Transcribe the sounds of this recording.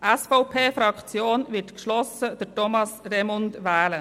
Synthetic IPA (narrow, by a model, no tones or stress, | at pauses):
ʔɛsfɔʊpʰeːfɾɑkt͡sjoːnʋɪtkʃlɔsəd̥əɾtɔmɑsɾɛmʊndʋɛːlə